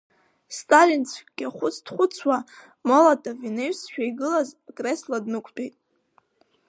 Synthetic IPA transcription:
stʼalint͡sʷʰʼɡʲaχʷʊt͡sʰd̥χʷʊt͡sʰwa | mo̞latʰʼavineɥsʃᶣaiɡɨlazakʼresladnɨkʷʰtʼejtʼ

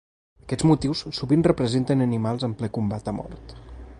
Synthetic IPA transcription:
əkɛzmut̪iwssuβinrəpɾəzent̪ənənimalˠzəmplɛkumbat̪əmɔ̰ɾt̪

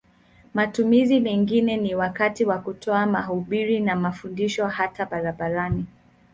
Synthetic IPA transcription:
matumizimɛŋɡinɛniwakatiwakutʰɔamaɦuɓiɾinamafundiʃɔhataɓaɾaɓaɾani

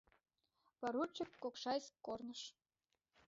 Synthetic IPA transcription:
pɑɾut͡ɕɤ̆kːokʃɑjskkːornɤ̆ʃ

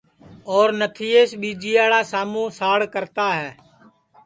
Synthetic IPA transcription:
ɔːɾnət̪ʰiːeːsɓiːd͡ʒiːaːɽaːsaːmũːsaːɽkəɾt̪aːɦɛː

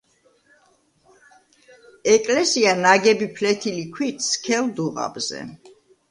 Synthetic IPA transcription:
ɛkʼlɛsianaɡɛbipʰlɛt̪ʰilikʰwit̪skʰɛld̪uʁa̰bzɛ̰

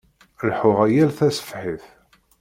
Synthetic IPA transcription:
lħʊʁæjælθæsə̥fħiθ

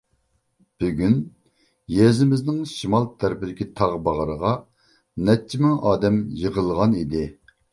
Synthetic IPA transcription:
b̥yɡʲyn | jɛzɪmɪznɪŋʃimɑlˠt̪ʰæɾpɪlɪkʲʰit̪ʰɑʁbɑʁəɾəʁɑ | nɛt͡ʃʰːimɪŋɑːd̪ɛmjəʁəlˠʁɑnid̪ɪ

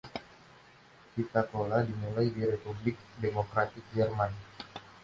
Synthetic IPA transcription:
kit̪akoladimulajdiɾepublɪk̚demokɾat̪ɪk̚jɛrman

